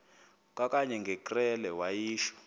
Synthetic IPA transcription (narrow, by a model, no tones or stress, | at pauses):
k̬ʼak̬ʼaɲɛŋɡʱɛkʼrɛlɛwajiːʃɔ̥